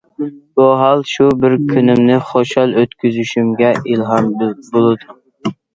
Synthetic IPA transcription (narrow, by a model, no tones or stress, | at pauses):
b̥ʊɦɑlˠʃʊbɪɾkʲʰynɪmnɪχoʃɑlˠøt̪kʲʰyzyʃymɡʲɛʔilˠɦɑnbolˠɨd̪ʊ